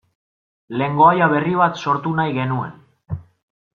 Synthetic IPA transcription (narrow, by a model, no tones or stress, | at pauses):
le̞ŋɡo̞ajaβ̞e̞riβ̞at̪so̞ɾt̪unajɣe̞nue̞̰n